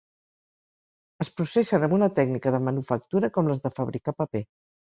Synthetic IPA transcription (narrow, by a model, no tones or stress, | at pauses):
əspɾusesənəmbunət̪ɛɡnikəðəmənufək̚t̪uɾəkɔmləzðəfəβɾikapəpe